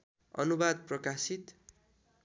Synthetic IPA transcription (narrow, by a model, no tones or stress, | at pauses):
ʌ̰nubad̪̚prʌkasit̪